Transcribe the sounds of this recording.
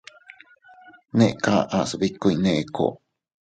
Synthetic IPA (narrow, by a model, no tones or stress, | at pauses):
neʔkaʔasəbikːuineʔkʰo̰